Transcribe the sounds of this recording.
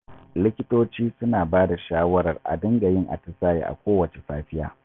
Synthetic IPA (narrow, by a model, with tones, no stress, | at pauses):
lɪ˦kʲɪ˦toː˦t͡ʃiː˦sʊ˦naː˨baː˦da˨ʃaː˦wɐ˦ɾɐ˨rʔa̰˨dɐ˦ŋɡa˨jɪ˦ŋʔa̰˨tɐ˦saː˦˨jḛ˦˨ʔa̰˨kʷoː˦wɐ˨t͡ʃe˨saː˦ɸɪ˦ja̰ː˦